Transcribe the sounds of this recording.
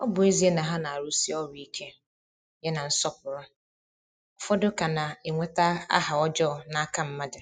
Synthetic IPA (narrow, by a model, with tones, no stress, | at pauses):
ɔ˦bʊ˨e˦zi˦e˦nã˨ɦã˦nã˨a˨ɾu˦si˦ɔ˦ɾi˨kʰɛ˦ | jɛ˦nã˨n̩˦sɔ˦pʊ˨ɾʊ˦ | ɔ˨fɔ˦dʊ˦kʰa˨nã˨e˨ŋʷɛ˦ta˦a̰˦ha˨ɔ˦d͡ʒɔ˦ɔ˨nã˨a˨kʰã˦m̩˦mã˦dɪ˨